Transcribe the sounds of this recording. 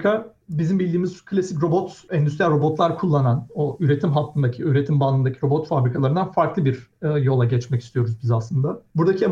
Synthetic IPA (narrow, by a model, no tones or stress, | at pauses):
kʰabizimbilʲd̪iːmizkʰɯlʲasicɾo̞bo̞t̪ɛnysɾijalʲɾo̞bo̞t̪lˠaɾkʰulˠːananoyɾe̞t̪ʰimɦat̪ʰːɯnd̪acʰiyɾe̞t̪ʰimbanɯnd̪acʰiɾo̞bo̞t̪fabɾikʰalˠaɾɯnd̪anfaɾklˠɯbiɾjo̞lˠaɟɛt͡ʃmɛci̥st̪ʰijoɾuzbizaslˠɯnd̪abuɾd̪acʰi